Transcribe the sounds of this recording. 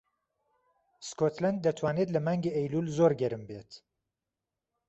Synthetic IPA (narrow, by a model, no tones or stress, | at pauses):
skot̪lɛnd̪̚ːɐt̪ʰwɑːneːt̪lɐmaːŋɡeʔɛjlulzoːɾɡɛɾɨmbeːt̪